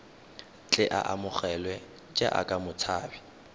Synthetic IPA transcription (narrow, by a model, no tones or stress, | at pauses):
t͡ɬʼɪʔa̰ʔamʊχɛlwɛ | t͡ʃʼa̰ʔa̰kʼamʊt͡sʰaːbi